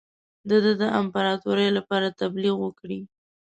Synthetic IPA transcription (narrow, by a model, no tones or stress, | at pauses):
d̪əd̪ad̪əʔampaɾɑt̪uɾəjlapɑɾat̪abliɣwəkɽi